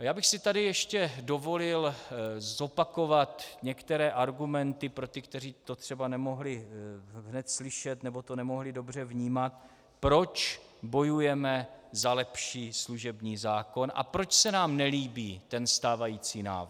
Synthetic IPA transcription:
jaːbɪxsɪt̪adɪjɛʃcɛdo̞vo̞lɪlzo̞pako̞vat̪ɲɛkt̪ɛɾɛːʔaɾɡumɛnt̪ɪpɾo̞t̪ɪkt̪ɛr̝iːt̪o̞t̪r̥ɛbanɛmo̞ɦlɪɦnɛt̪slɪʃɛt̪nɛbo̞t̪o̞nɛmo̞ɦlɪdo̞br̝ɛvɲiːmat̪̚ | pɾo̞t͡ʃ | bo̞jujɛmɛzalɛpʃiːsluʒɛbɲiːzaːko̞nʔa̰pɾo̞t͡ʃsɛnaːmnɛliːbiːt̪ɛnst̪aːvajiːt͡siːna̰ːvɾ

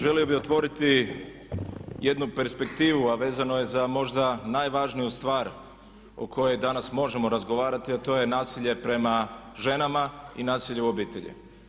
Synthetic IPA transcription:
ʒe̞lio̞bio̞t̪ʋo̞ɾit̪i | je̞d̪nupe̞ɾspe̞kt̪iːʋuaʋe̞ːzano̞je̞zamo̞ʒd̪anajʋaʒnijust̪ʋaːɾ | o̰kʰo̞je̞jd̪anasmo̞ʒe̞mo̞ɾazɡo̞ʋaːɾat̪iat̪o̞je̞naːsiʎe̞pɾe̞maʒe̞namainaːsiʎeuobiːt̪e̞ʎḭ

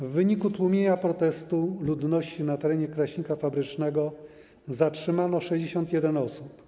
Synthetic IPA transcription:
vːɘɲikut̪wumʲjeɲapɾɔt̪ɛst̪ulud̪nɔɕt͡ɕinat̪ɛɾɛɲɛkɾaɕɲikafabɾɘt͡ʂnɛɡɔ | zatʂɘmanɔʂɛʑd͡ʑeɕɔnt̪jɛd̪ɛnɔsup

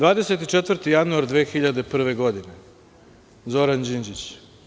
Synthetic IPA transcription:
d̪ʋaːd̪ese̞t̪it͡ʃet̪vr̩ɾt̪ijanuaɾd̪ʋeːxiʎad̪e̞pr̩ʋe̞ɡo̞d̪ine̞ | zo̞ɾand͡ʑind͡ʑit͡ɕ

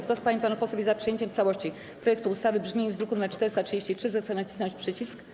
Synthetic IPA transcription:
kt̪ɔspaɲipanupɔswɛvʲjizapʂɨjeɲt͡ɕɛmft̪sawɔɕt͡ɕi | pɾɔjɛkt̪uːst̪avɘbʐmʲejuzd̪ɾukunmɛt͡ʂt̪ɛɾɘst̪atʂɨd͡ʑeɕt͡ɕitʂɘzɛsɛnat͡ɕisɔnɲt͡ɕʲpʂɘt͡ɕisk

